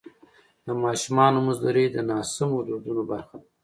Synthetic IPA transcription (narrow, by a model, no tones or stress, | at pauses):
d̪əmɑːʃumɑnomuzlaɾed̪ənɑːsɪmod̪od̪unobaɾxa